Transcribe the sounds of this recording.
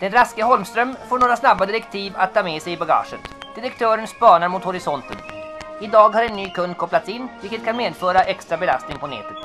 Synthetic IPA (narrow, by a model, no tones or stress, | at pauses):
d̪̥ɛnɾaskəɦɔlmst̪ɾœmfoːɳoːɾasnabːad̪ɪɾɛkt̪ʰiːva̰t̪̚ʰːɑːmɛsɛjɪbaɡɑ̰ːʂə̰nt̪d̪̥ɪɾɛkt̪ʰœːɾənspɑːɳaɾmʊt̪hɔɾɪsɔnt̪ə̰nɪd̪ɑːɡhaɾɛnːyːkʰɵnd̪̚kʰɔplat̪sɪnːvɪlkət̪kʰanmeːd̪fœːɾaʔɛkst̪ɾabɛla̰st̪nɪŋpʰɔnɛ̰ːt̪ət̪